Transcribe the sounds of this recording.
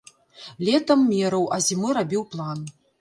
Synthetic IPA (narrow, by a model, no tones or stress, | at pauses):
lʲɛt̪ɐmːʲɛɾɐwʔɐzʲimɨɾabʲiwplˠan